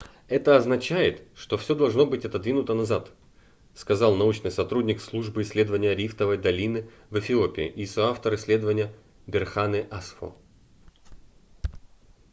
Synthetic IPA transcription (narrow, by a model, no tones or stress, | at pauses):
ɛt̪əɐznɐt͡ɕæjɪt̪ʂt̪o̞fsʲo̞d̪ɐlˠʐno̞bɨtʲɐt̪ɐd̪vʲinʊt̪ənɐzat̪ | skɐzɑlˠnɐut͡ɕnɨjsɐt̪ɾudʲnʲɪkslˠuʐbɨɪsʲlʲe̞d̪əvənʲɪjəɾʲift̪əvəjd̪ɐlʲinɨ | vəfʲɪo̞pʲɪɪ̰ʔisoaft̪əɾɨsʲlʲe̞d̪əvənʲɪjə | bʲɪrxanɨʔasfo̰